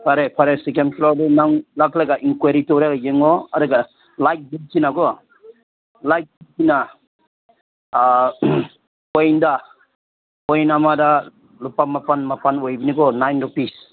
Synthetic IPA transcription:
pʰaɾepʰaɾesikenpʰlɔɾdɔnaŋlaklaɡaʔiŋkwaɾitɔɾaɡajeŋɔadɯɡa | lajk̚biltinaɡɔ | lajk̚bilkina | ɔjnda | ɔjnamada | lupamapanmapanɔjbinikɔnajndɔpis

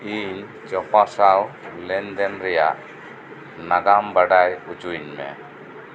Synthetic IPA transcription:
iɲ | t͡ʃɔpasawlɛɲd̪ɛnɾɛjaʔ | naɡambaɖajut͡ʃuɲmɛ̰

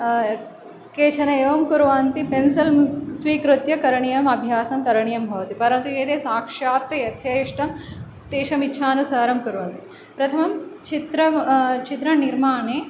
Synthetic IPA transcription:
keːt͡ʃʰɐnɐeːʋɐmkuɾʋaːnt̪ipensɐlsʋiːkɾut̪jɐkɐɾɐɳijɐmɐbʱjaːsɐmkɐɾɐɳijɐmbʱɐʋɐt̪ipɐɾɐnt̪ueːt̪eːsaːkʂaːt̪ːɐjɐt̪ʰjɐjiʂʈɐm | t̪eːʃɐmitːʃʰaːnusaːɐɾɐmkuɾʋaːnt̪i | pɾɐt̪ʰɐmɐmt͡ʃit̪ɾɐt͡ʃit̪ɾɐniɾmaːɳeː

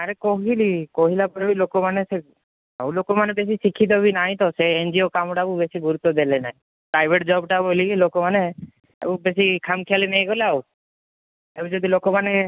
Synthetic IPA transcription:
aɾekɔɦilikɔɦilapɔɾbilokɔmanese | awlokɔmanebes̬isikʰit̪̬ɔbinaɦĩt̪ɔseend͡ʒiokamʈakubesiɡuɾut̪ːɔd̪elenaɦĩ | pɾajbʱeʈd͡ʒɔbʈabolikilokɔmane | ḛkubes̬ikʰamkʰijalineɦj̃ɡɔlaw | ebũd͡ʒɔd̪ʱilokɔmane

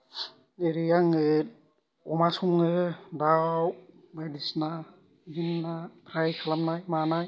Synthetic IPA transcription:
eɾijaŋɯ | ɔmasuŋɯdaw | bajdisna | ɡinːapʰɾajkʰalamnajmanaj

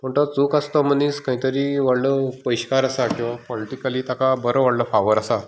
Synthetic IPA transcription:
m̤əɳʈ̪ət͡suːkast̪ɔm̤əniːskaɦĩt̪əɾiːʋaɽləpəjɕkaɾasakĩw̃ʋapɔliʈikəliːt̪akabəɾəʋaɽləfaʋəɾasa

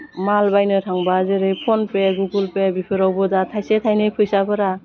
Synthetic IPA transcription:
malbajnɯtʰaŋbazɯɾɯjpʰɔnpeɡuɡulpebipʰɯɾawbɔdatʰajsetʰajnɯjpʰɯjsabɯɾa

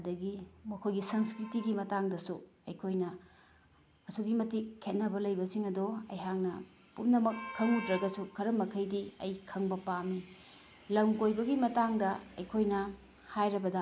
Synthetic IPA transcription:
ɐdɐɡimɐkʰojɡisɐŋskɾitiɡimɐtaŋdɐsuɐjkʰojnɐ | ɐsuɡimɐtikʰːet̚nɐbɐlɐjbɐsiŋɐdoɐ̰jɦaŋnɐ | pumnɐmɐkʰːɐŋutɾɐɡɐsukʰɐɾɐmɐkʰɐjdiɐjkʰɐŋbɐpami | lɐŋkojbɐɡimɐtaŋdɐɐjkʰojnɐ | hajɾɐbɐdɐ

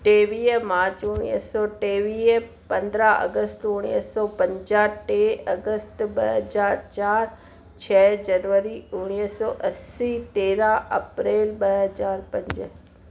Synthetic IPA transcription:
ʈeːʋiːmaːɾt͡ɕʊɽ̃ḭsɔːʈeːʋiː | pɐ̃nd̪ɾaɐ̰ɡəst̪ʊɽ̃ḭsɔːpɐ̃ɲd͡ʒaʈeːɐɡəst̪ɓɐɦɐzaːɾt͡ɕaːɾ | t͡ɕʰɛːd͡ʑɐnʋəɾiʊɽ̃iːɦsɔːʔɐsit̪eːɾaɐpɾeːlɓɐɦɐzaːɾpɐ̃ɲd͡ʑə

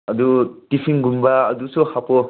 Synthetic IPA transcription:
ɐd̪utipʰiŋɡumbaːdusuhapɔ

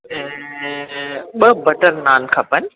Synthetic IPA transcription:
ɓɐbɐʈəɾnaːnkʰɐpənɪ̆

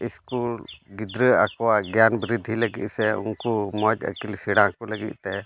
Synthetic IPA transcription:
ɪskuːlɡɪd̪ɾəakwaɡjaːnbɾɪd̪ʱiləɡḭʔ̪sɛʊ̰nkomɔd͡ʒə̰kɪlsiɽãkoləɡḭʔt̪ɛ

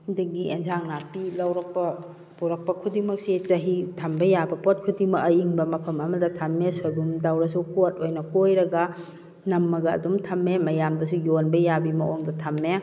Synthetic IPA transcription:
udiɡiʔenzaŋnapilɐwɾɐk̚pɐ | puɾɐk̚pɐkʰudimɐk̚sit͡ʃɐɦitʰɐmbɐjabɐpot̚kʰudimɐɐjiŋbɐmɐpʰɐmɐmɐdɐtʰɐmːesojbumdawɾɐsukotojnɐkojɾɐɡɐ | nɐmːɐɡɐ̰ːdumtʰɐmːemɐjamdɐsujonbɐjabimɐʔoŋdɐtʰɐmːe

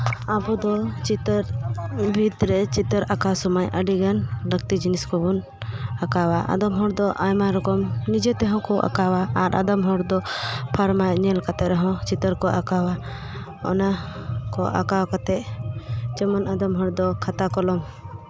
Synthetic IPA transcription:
abɔd̪ɔt͡ʃit̪əɾbʱid̪ɾɛt͡ʃit̪əɾakasɔmajʔəɖiɡanɾəɡ̚t̪id͡ʒiniskɔbɔn | akawaʔa̰d̪ɔmɦɔɾd̪ɔʔa̰jmaɾɔkɔmnid͡ʒɛt̪ɛɦɔ̃kɔʔa̰kawaːɾʔa̰d̪ɔmɦɔɾd̪ɔpʰaɾmajɲɛlkat̪ɛʔɾɛɦɔ̃t͡ʃit̪əɾkɔʔakawa | ɔ̰nakɔʔa̰kawkat̪ɛʔ̚ | t͡ʃɛmɔnad̪ɔmɦɔɾd̪ɔkʰat̪akɔlɔm

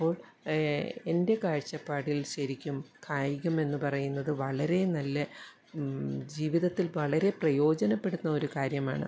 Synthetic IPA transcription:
ipːo̞ːɭ | e̞nde̞kaːɻt͡ɕːɐpːaːɽilɕɐɾikʲːumkʰaːjiɣʲume̞nːɨpɐrɐjunːɐðɨʋɐɭɐɾe̞nɐlːɐ | d͡ʑiːʋiðɐt̪ːilʋɐɭɐɾe̞prɐjo̞ːd͡ʑɐnɐpːe̞ɽunːɐo̞ɾukaːɾjɐma̰ːɳɨ̰

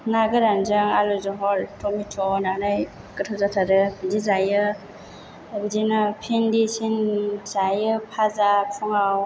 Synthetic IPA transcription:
ŋaɡɯɾanzɯŋalɔzɔɦɔɾtʰɔmitʰɔnanaj | kɯtʰɔzatʰaɾɯbidizajɯ | bizinɯpʰendisinzajɯpʰazapʰuŋaw

